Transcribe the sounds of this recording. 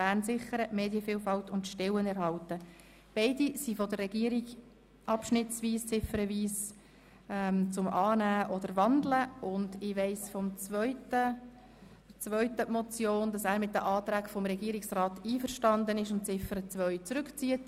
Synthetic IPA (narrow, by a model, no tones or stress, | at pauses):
b̥æːɾnsɪχəɾəmeːdjəfiːlfɑltʊntʃtɪwənɛɾɦɑltə | b̥ɛɪdisifɔdərːɛɡiəɾiɡ | ʔɑpʃnɪt͡sʋiːst͡sɪfəɾəviːs | ɛmt͡sʊmʔɑːnæːʔɔdəɾvɑnd̪ləʊndɪʋɛɪsfɔmt͡svœʏtə | t͡svœʏtəmɔt͡sjoːndɑsæːɾmɪt̚dəʔɑːt̪ɾæːkfɔmɾɛɡiəɾɪksrɑːtiːfəɾʃtɑndənɪʃʊntt͡sɪfəɾət͡sʋœʏt͡sɾʉkt͡siət